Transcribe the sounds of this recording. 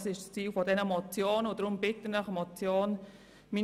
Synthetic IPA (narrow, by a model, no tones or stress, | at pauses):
sɪʃtst͡siːlfɔdɛnəmɔt͡sjoːnʊd̥ɾʊmbɪtənəχəmɔt͡sjoːn | miː